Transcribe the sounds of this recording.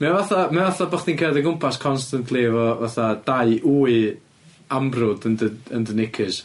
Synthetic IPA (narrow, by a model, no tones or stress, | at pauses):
mɛvaθamɛvaθabaχdinkʰɛːdəɡʊmpʰaskʰɔnstantʰlˠivɔvaθad̥aɨʔuːɨ | ambrʊdəndəəndənɪkʰɪs